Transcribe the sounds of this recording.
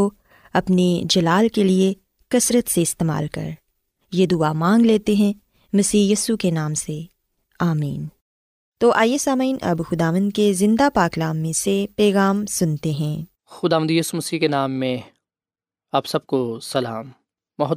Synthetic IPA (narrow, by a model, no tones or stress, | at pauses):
o | ɐpned͡ʒɐlaːlkelie | kɐsɾət̪seɪst̪eːma̰ːlkɐ̰ɾ | jed̪ʊamãːŋɡleːt̪eɦɛ̃ | mɐsiːjuːsukenaːmse | aːmḭːn | t̪oːʔaːjesaːmiːnʔɐ̰bxʊd̪aːʋə̃nd̪̚kezɪ̃nd̪apaːklaːmːẽsepɛːɣaːmsʊnt̪eɦɛ̃ː | xʊd̪aːʋə̃nd̪juːsumɐsiːkenaːmːẽ | aːpsɐb̚kosɐlaːmː | ɐɦ